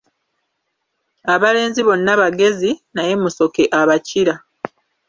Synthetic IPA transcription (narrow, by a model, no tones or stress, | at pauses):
aβale̞ːnziβo̞nːaβaɡe̞zinaje̞muso̞ke̞ʔaβaciɾa